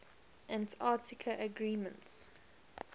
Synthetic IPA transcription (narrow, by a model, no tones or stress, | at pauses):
ʔæ̃ntʰaːˑtʰɪkʰəʔəɡɹiːmə̃nts